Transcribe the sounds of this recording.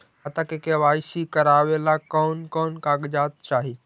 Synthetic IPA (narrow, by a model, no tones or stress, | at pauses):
at̪akekeʋaːɪsikɐɾaːʋelakɔːnkɔːnkaːɡd͡ʒaːt̪̚t͡ʃaːɦiː